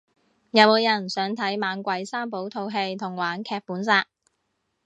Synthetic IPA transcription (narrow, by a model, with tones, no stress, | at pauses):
jɐ˨˧wmo˨˧wjɐ˨˩nsœː˨˥ŋt̪ʰɐ˨˥jmaː˨˧nkʷɐ˨˧jsaː˥mpo˨˥wt̪ʰo˧wɦe˧jt̪ʰʊ˨˩ŋwaː˨˥nkʰɛː˧k̚puː˨˥nsaː˧k̚